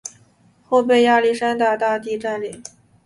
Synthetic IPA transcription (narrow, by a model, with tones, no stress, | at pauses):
xo˥˧ʊpe˥˧ɪja˥˧li˥˩ʂa˥nt̪a˥˧t̪a˥˧t̪i˥˧ʈ͡ʂa˥˩nli˨˩˦ŋ